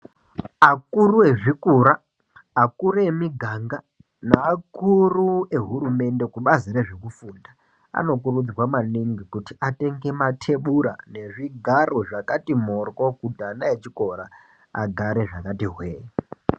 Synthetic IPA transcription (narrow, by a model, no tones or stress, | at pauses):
akuruwe̞ʐikuɾaː | kuɾemiɡʱaŋɡa | naːkurue̞ɦuɾume̞nde̞kuɓazire̞ʐe̞kufuːnda | a̰no̞k̬urud͡zwamaniŋɡikutiate̞ŋɡe̞matʰe̞ɓuɾa̰ne̞ʐiɡʱaroʐakatimorko̞kudʱanaet͡ʃiko̞ɾa | a̰ɡʱaɾe̞ʐakatiɦweːja